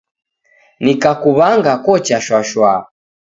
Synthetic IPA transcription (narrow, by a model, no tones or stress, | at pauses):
nikakuβaŋɡakɔt͡ʃaʃwaʃwa